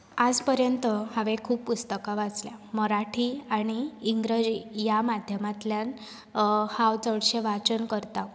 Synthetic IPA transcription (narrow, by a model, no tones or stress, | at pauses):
ad͡zpəɾjənt̪əhaʋekʰuːppust̪əkaʋat͡sljaməɾaʈʰiaɽ̃iːŋɡɾəd͡ʑijamad̪ʱjəmat̪ljan | hawt͡səɽɕeʋat͡ɕənkəɾt̪a